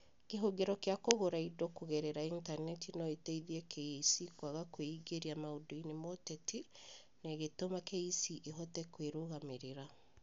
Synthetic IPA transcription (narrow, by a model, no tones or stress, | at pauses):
keɦoɡeɾɔkjakoɣoɾaidokoɣeɾeɾaintanɛtinɔeteiðiɛkʰeisikwaɣakweiɡeɾiamaodoinemoteti | neɣetomakeisiʔeɦɔtɛkweɾoɣameɾeɾa